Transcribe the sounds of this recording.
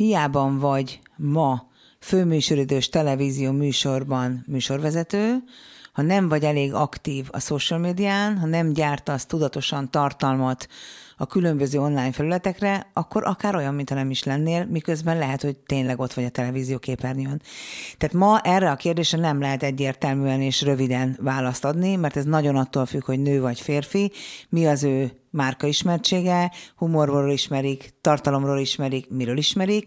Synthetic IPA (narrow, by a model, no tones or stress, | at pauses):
hijaːbɒɱvɒɟmɒ | føːmyːʃøɾøːd̪øːʃt̪ɛlɛviːzijoːmyːʃo̞rbɒnmyːʃo̞rʋɛzɛt̪øːhɒnɛɱvɒɟɛleːɡɒkt̪iːvɒ̰soʃɛlmeːd̪ijaːnɦɒnɛmɟaːrt̪ɒst̪ud̪ɒt̪o̞ʃɒnt̪ɒrt̪ɒlmɒt̪ɒkylø̞mbøzøːo̞nlaːjɲfɛlylɛt̪ɛkrɛɒkːo̞ɾʔɒkaːɾo̞jɒmːint̪hɒnɛmiʃlɛnːeːlmikø̞zbɛnlɛɦɛt̪ho̞ɟ̚t̪eːnlɛɡo̞t̪ʋɒɟɒt̪ɛlɛviːzijoːkeːpɛrnjønt̪ɛaːt̪mɒʔɛrːɛɒkeːrd̪eːʃrɛnɛmlɛɦɛt̪ɛɟːeːrt̪ɛlmyːɛneːʃrø̞vid̪ɛnvaːlɒst̪ɒd̪nimɛrt̪ɛznɒɟo̞nɒt̪ːoːlfykhoɟnøːvɒɟfeːrfimiɒzøː | maːrkɒiʃmɛrt͡ʃeːɡɛhumo̞rooːliʃmɛɾikt̪ɒrt̪ɒlo̞mroːliʃmɛɾikmiɾøːliʃmɛɾik